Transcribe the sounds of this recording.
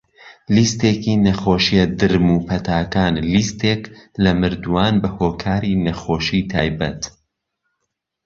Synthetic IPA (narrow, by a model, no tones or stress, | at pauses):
list̪eːkiːnɐxoːʃiɐd̪ɨɾmuːpʰɐt̪ʰaːkaːnlist̪eklɐmɨɾd̪uwaːnbɐhoːkʰaːɾinɐxoːʃit̪ʰa̰ːjbɐ̰t̪